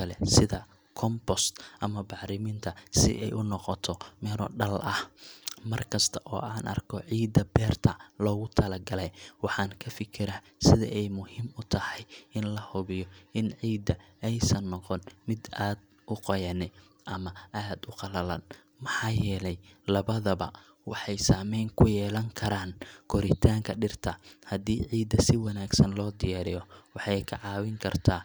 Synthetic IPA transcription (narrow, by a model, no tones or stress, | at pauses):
ɐlɛsɪðɐ | kʰɔmbɔst̪ʔɐmɐbɑħɾɪmɪnt̪ʰɐsɪ̰ʔɛjʔʊnɔqɔt̪ʰɔmɛːɾɔɖɐlʔɐhmɐrkʰɐst̪ʰɐʔɔ̰ːʔaːnʔɐ̰rkʰɔʕiːd̪ɐbɛːrt̪ʰɐlɔːɣʊt̪ʰɐlɐɡɐlɛjwɑħɑːŋkʰɐfɪkʰɪɾa | sɪðɐ̰ʔɛjmʊhimʊt̪ʰɐhɛjɪnlɐhɔβɪjɔʔɪnʕiːd̪ɐɛjsɐnːɔqɔnmɪd̪aːd̪ | ʔʊqɔjɐnɪ | ʔɐmɐʔaːd̪ʊqɑlɐlɐ̰n | mɑħɑːjɛːlɛjlɐβɐðɐbɐ̰ | wɑ̰ħɑjsaːmɛjŋkʰʊjɛːlɐŋkʰɐɾaːnkʰɔɾɪt̪ʰaːŋkʰɐɖɪrt̪ʰɐhɐd̪iːʕiːd̪ːɐsɪwɑnaːɡsɐnlɔːd̪ɪjaːɾɪjɔwɑħɑjkʰɐʕɑːwɪŋkʰɐrt̪ʰaː